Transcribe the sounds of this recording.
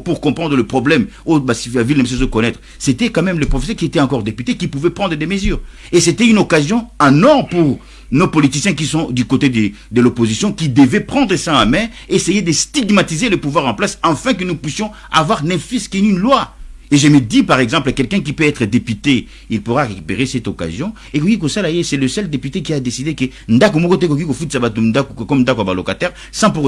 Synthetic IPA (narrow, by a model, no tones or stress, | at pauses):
puʁkɔ̃pχɑ̃d̪ʁələpχɔblɛm | obasilavilnəmes̬ɛs̬okɔnɛt̪χəset̪ɛkɑ̃mɛmləpχofes̬œʁkʲiet̪ɛɑ̃kɔʁd̪epyt̪ekipuvɛpʁɑ̃d̪ʁəd̪eməzyːʁ | eset̪ɛynokazjɔ̃anɔ̃puʁ | nopɔlit̪isjɛ̃k̬isɔ̃d̪ykot̪ed̪ə | d̪əlopozisjɔ̃kʲid̪əvɛpχɑ̃d̪ʁəsɛ̃amɛ̃ | esejed̪əst̪iɡmat̪izeləpuvwaʁɑ̃plasɑ̃fɛ̃k̬ənupɥysjɔ̃ | a̰vwaʁnɛ̃fiskenynlwaeʒəməd̪ipaʁɛɡzɑ̃pləkɛlkɛ̃k̬ipøɛt̪χəd̪epyt̪e | ilpuʁaʁekypeʁesɛt̪oka̰zjɔ̃ | ekokik̬osalajesɛləsœld̪epyt̪ekiad̪esid̪ekə | nd̪akomokot̪̬ek̬ok̬ikofut̪sabat̪ud̪akkɔmnd̪akwabalokat̪ɛʁ | sɑ̃puʁ